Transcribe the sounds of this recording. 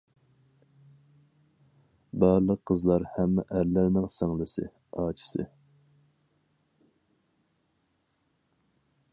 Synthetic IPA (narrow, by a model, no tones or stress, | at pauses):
bɑɾlˠəqʰːəzlˠɑɾhɛmːɛ̰ʔæɾlæɾnɪŋsɑŋlˠɨsɨ̰ | ɑːt͡ʃʰi̥sɨ̰